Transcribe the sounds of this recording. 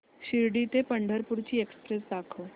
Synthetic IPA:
ɕiɾɖit̪epəɳɖʱəɾpuɾt͡ɕiːekspɾesd̪akʰo

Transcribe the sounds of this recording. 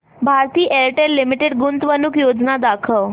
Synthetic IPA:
bʱaɾt̪iːʔelʈeɾlimiʈeɖɡunt̪ʋənukjod͡znad̪akʰəʋ

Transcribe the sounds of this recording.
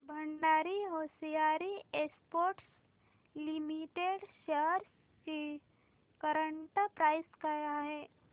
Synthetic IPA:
bʱəɳɖaːɾiɦoːsijaːɾiekspoːɾʈs | limiʈeɖʃeəɾs | ki | kəɾəɳʈpɾaːɪskajaɦɛː

